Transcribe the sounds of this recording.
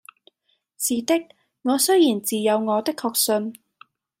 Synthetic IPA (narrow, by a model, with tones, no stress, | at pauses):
siː˨t̪ɪ˥k̚ | ŋɔː˨˧sɵ˥jiː˨˩nt͡siː˨jɐ˨˧wŋɔː˨˧t̪ɪ˥kʰːɔː˧k̚sɵ˧n